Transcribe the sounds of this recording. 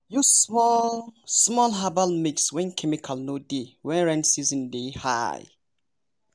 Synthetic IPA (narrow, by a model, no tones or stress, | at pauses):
jumɔlsmɔlɦabalmikswɛ̃nkʰɛmikʰalnodewɛ̃nɹɛ̃nsizɔ̃ndeha̰j